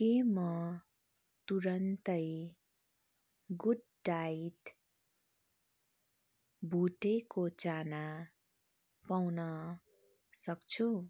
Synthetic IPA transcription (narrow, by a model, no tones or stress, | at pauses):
kemʌ | t̪uɾʌnt̪ʌj | ɡuɖ | ɖajʈ | bʱuʈekot͡sana | pawnʌ | sʌkt͡sʰu